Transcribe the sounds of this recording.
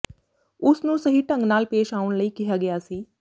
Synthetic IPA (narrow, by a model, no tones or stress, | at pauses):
ʊsnũːsəɦiːʈə̃ŋɡnaːlpeːʃaːʊɽ̃ləiːkɪjaːɡɪjaːsiː